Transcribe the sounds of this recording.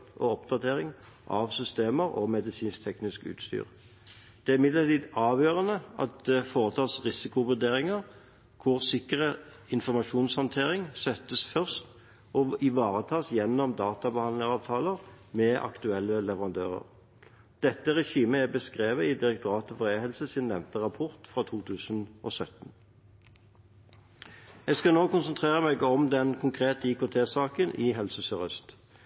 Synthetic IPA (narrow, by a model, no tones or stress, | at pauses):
ɔɔpd̪ɑt̪ʰeːʁɪŋ | ʔɑʋsʏst̪eːməʁɔ̰mɛd̪ɪsiːnst̪ʰɛknɪskʉ̰ːt̪st̪y̰ːʁ | d̪̥ɛæɾɪmɪd̪lət̪iːd̪ɑːʋjøːʁənəɑ̰t̪̚d̪ɛfoːʁət̪ʰɑːsʁɪsɪkʊʋʉd̪eːʁɪŋəʁ | kʰʊʁsɪkəʁə | ɪnfɔʁmɑʂuːnshɑnt̪ʰeːʁɪŋsœt̪ːəsfœʁst̪ | ʔɔɪʋɑːʁət̪ʰɑːsjɛnːɔmd̪ɑːt̪ɑbəhɑnd̪lɪŋsɑːʋt̪ʰɑːləʁ | mɛʔɑ̰kt̪ʉɛlːəlɛʋəʁɑnd̪ø̰ːʁə̰ʁ | d̪̥ɛt̪ːəʁɛʃiːməæbəskʁeːʋəɪd̪ɪɾɛk̚t̪ʊʁɑːt̪ɔfɔʁeːhɛlsəsɪnːɛmt̪əʁɑpʰɔʁt̪fʁɑːt̪ʰuːt̪ʰʉːsnʔɔsœt̪n̩ | ɛɡskɑnoːkʊnsənt̪ʰʁeːʁəmɛɡɔmd̪ɛnkʰʊŋkʰʁeːt̪əɪkoːt̪ʰeːsɑːkənʔɪɦɛlsəsœʁʏst̪